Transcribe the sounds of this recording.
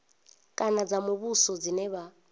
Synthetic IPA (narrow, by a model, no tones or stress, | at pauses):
kʼanad͡zamuβusɔd͡zinɛβa